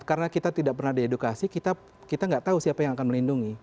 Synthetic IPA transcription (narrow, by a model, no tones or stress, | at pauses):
kaɾənakit̪at̪idaʔpərnahdiedukasikit̪a | kit̪aŋɡaʔt̪ausiapajaŋakanməlinduŋi